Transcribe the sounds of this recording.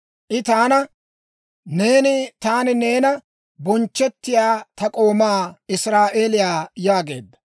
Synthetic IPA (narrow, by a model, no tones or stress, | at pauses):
ʔɪt̪aːnɐ | ne̞ːnɪt̪aːnɪne̞ːnɐ | bɔnt͡ʃːɛt̪ːɪjaːt̪ɐkʼo̞ːmaːɪsɾaːʔeːlɪjaːjaːɡe̞̰ːd̪ːɐ